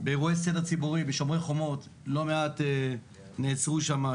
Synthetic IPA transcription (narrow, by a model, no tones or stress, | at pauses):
beʁuesedat͡sibuʁibeʃo̞mʁeχo̞mo̞tlo̞meate | neːt͡sʁuʃama